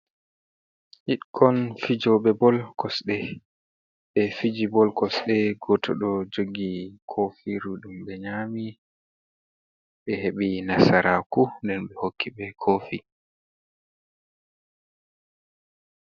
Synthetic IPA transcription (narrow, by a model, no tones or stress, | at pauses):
hiɗkʰɔnfid͡ʒɔɓɛbɔlkɔsɗɛ | ɓɛfid͡ʒibɔlkɔsɗɛɡɔtʰɔ̰ɗɔd͡ʒoɡikʰofiɾuɗumɓɛɲami | ɓɛheɓinasaɾakundɛnɓɛhokːiɓɛkʰofḭ